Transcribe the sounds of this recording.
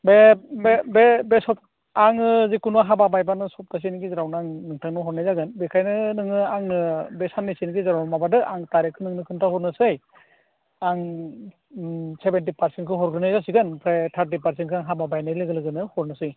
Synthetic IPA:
bebbebesɔp̚ | aŋɯzikunuwaɦababajbanɯsɔp̚tas̬inɡizaɾawnaŋnɯŋtʰaŋnɯɦɔɾnajzaɡɯnbekʰajnɯnɯŋɯaŋnɯbɛsanːisinɡizaɾawnmabadɯʔaŋtaɾekʰːɯnɯŋnɯkʰɯntʰahɔɾnɯsɯj | aŋ | sebentipʰaɾsentkʰɯɦɔɾdɯnajzasiɡɯnpʰɾajtʰaɾt̬ipaɾsɛnkʰɯaŋɦababajnajlɯɡɯlɯɡɯnɯhɔɾnɯsɯj

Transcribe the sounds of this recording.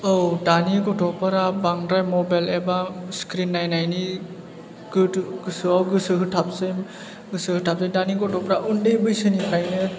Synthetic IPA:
owdaniɡɔtʰɔpɯɾabaŋɾajmɔbajlebaskɾinːajnajni | ɡɯtɡɯsɯawɡɯsɯɦɯtʰapsɯjm | ɡɯsɯhɯtʰap̚sɯdaniɡɔtʰɔpɾaʔundejbɯjsɯnipʰɾajnɯ

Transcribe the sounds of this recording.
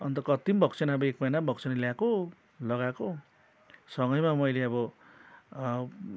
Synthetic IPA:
ʌnt̪ʌkʌt̪imbʱʌkt͡sʰʌnaʌbʌek̚mʌjnabʱʌkt͡sʰʌnaljako | lʌɡako | sʌŋɡʌjmamʌjleʌbʌ

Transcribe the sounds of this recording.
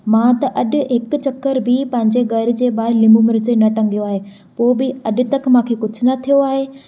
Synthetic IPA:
mãːt̪ɐʔɐɗʊ̆ɦɪk̆t͡ɕɐkːəɾbʱɪpɐ̃ɦɪ̃ɲd͡ʑeɡɐɾɪ̆d͡ʑeːɓaːɾlɪmũmɪɾɪd͡ʑenɐʈɐ̃ŋɡijoaːɦeː | poːbɪɐɗɪ̆t̪ɐkʰmãːkʰeːkʊd͡ʑʱʊ̆nɐt̪ʰijoaːɦeː

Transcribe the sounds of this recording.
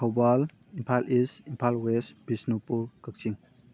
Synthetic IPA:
hʰawbalimpʰalʔisimpʰalwesbisnopuɾkək̚siŋ

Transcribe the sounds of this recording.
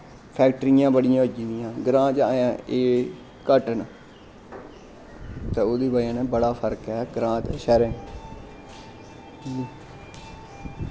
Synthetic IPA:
pʰɛːk̚ʈɾiːjãːbəɽɪjãːoːd͡ʒid̪ijãːɡɾãːd͡ʒajãːʔeː | kəʈən | t̪eːoːd̪iːbaːjãːneːbəɽaːpʰəɾkɦɛːɡɾãːt̪ʃɛːɾẽːn | i

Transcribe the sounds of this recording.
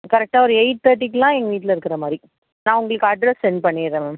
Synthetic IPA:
kɐɾɛk̚ʈaːɔɾɯɛɪʈ̚t̪ɐɾʈːikːɯlãːɛŋɡɐʋiːʈɪlɪɾɯkːɪɾɐmaːd̪ɾi | nãːʊŋɡɐɭɯkːɯɐɖɾɛsɛɳɖpɐɳːiɾẽl̃ː

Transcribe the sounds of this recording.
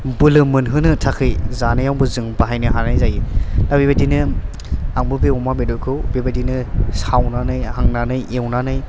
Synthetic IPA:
bɯlɯmɯnɦɯnɯtʰakʰɯjzanɯjawbɯzɯŋbaɦajnɯɦanajzajɯdabibajdinɯ | aŋbɯbeɔmabedɔkʰɯwbebajdinɯsawnanɯjhaŋnanɯjewnanɯj

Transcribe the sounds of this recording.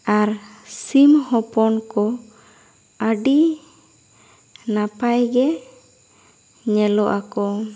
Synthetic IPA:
aɾsimhɔpɔnkɔ | əɖi | napajɡɛ | ɲɛlɔʔakɔ

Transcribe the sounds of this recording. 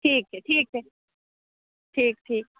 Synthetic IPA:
ʈʰiːk̚ɛʈʰiːk̚ɛ | ʈʰiːk̚ʈʰiːk̚

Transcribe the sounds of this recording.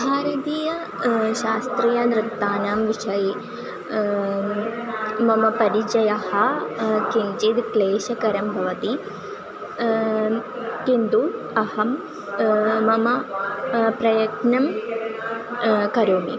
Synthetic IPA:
bʱaːɾɐt̪iːjɐ | ʃaːst̪ɾiːjɐnɾɨt̪ːaːnaːmʋiʃɐj | mɐmɐpɐɾid͡ʒɐjɐhɐkint͡ʃid̪kleːʃɐkɐɾɐmbʱɐʋɐt̪i | kind̪u | ɐhɐm | mɐmɐ | pɾɐjɐknɐm | kɐɾoːmḭ

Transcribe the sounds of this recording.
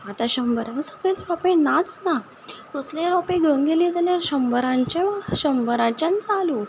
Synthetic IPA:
at̪ãɕəmbəɾaəsəɡɭelɾɔpẽnat͡sna | t̪uslẽɾɔpẽɡʱə̃ŋɡelĩd͡zaljaɾɕəmbəɾãɲt͡ɕẽʋəɕəmbəɾãt͡ɕant͡salu

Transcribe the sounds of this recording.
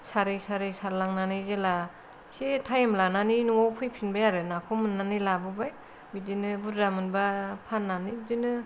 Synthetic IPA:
saɾɯjsaɾɯjsaɾlaŋnanɯjzela | setʰajemlananinuŋɔwpʰɯjpʰinbajaɾɯnakʰomɯnːanɯlabɯbaj | bidinɯbudɾamɯnbapʰanːanibidinɯ

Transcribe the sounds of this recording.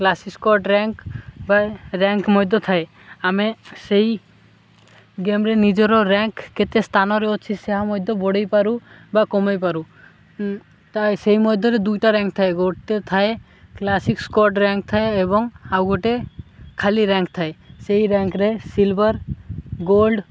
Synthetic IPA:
klasikskɔɾʈɾɛŋkbaɾɛŋkmɔjd̪ʱɔt̪ʰae | ameseɦi | ɡemɾenid͡ʒɔɾɔɾɛ̃ŋkːet̪est̪ʰanɔɾeɔt͡ʃʰiseɦamɔjd̪ʱɔbɔɽejpaɾu | bakɔmajpaɾu | t̪aseɦimɔjd̪ʱɔɾed̪ujʈaɾɛ̃ŋk̚t̪ʰaeɡoɽt̪et̪ʰae | klasikskɔɾʈɾɛ̃ŋk̚t̪ʰaeebɔŋawɡoʈekʰaliɾɛŋkt̪ʰaeseɦiɾɛ̃ŋkɾesilbəɾɡolɖ

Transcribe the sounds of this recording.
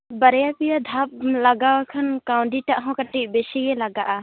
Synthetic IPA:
bəɾjapijad̪ʱap̚lɐɡawakʰɐnkaw̃ɳɖiʈaʔɦɔ̃kəʈiʔbesiɡɛlɐɡaʔa

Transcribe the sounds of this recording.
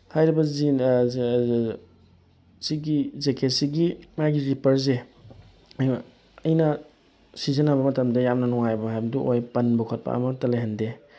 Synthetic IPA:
hajɾibɐzi | siɡizekʰesiɡimajɡiɾipɐɾze | j | ɐjnɐ | sizɐnabɐmɐtɐmdɐjamnɐnɔŋajbɐɦajbɐduʔojpɐnbukʰɐt̚pa̰ɐ̰mɐtɐlejɦɐnde

